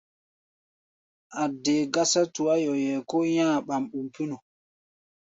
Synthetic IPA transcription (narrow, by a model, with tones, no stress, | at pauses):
ʔa˨dɛː˨ɡa˦sa˦tu˨a˦jɔjɛ˨kɔ˦jãː˦ɓa˨mɓu˨mpi˦nɔ˨